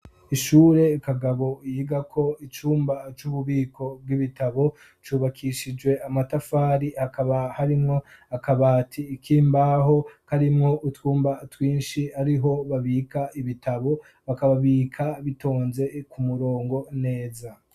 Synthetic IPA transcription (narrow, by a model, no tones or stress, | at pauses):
iʃuːɾe̞kaɡaβo̞jiːɡakʰo̞it͡ʃuːmbat͡ʃuβuβiːkʰo̞b̚ɡiβitaβo̞ | t͡ʃuːβakʰiʃid͡ʒwe̞amatafaːɾihakaβahaɾimŋo̞akaβaːtʰiːkʰiːmbaɦo̞kaɾimŋo̞ʔutwuːmbatwiːnʃiaɾiɦo̞βaβikaʔiβitʰaβo̞ | βakaβaβiːkʰaβito̞ːnze̞kumuɾo̞ːŋɡo̞ne̞ːza